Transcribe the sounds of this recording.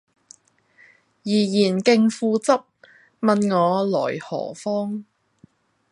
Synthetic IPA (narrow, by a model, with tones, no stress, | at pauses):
jiː˨˩jiː˨˩nkɪ˧ŋfuː˧t͡sɐ˥p̚ | mɐ˨˧nŋɔː˨˧lɔ̰ː˨˩jhɔ̰ː˨˩fɔː˥ŋ